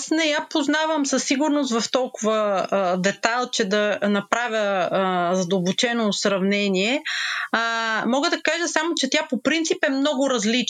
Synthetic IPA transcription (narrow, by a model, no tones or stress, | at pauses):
snɛjapoznavəmsɐsːiɡʊɾnʊs̬t̪vɐft̪ɔlˠkʊvəd̪ɛt̪alˠt͡ʃɛd̪ɐnɐpɾavʲə | zɐd̪əlˠbot͡ʃɛnosɾɐvnɛniɛ | mɔɡəd̪ɐkaʒəsamot͡ʃɛt̪ʲapopɾint̪sipɛmnɔɡʊɾɐzlit͡ʃ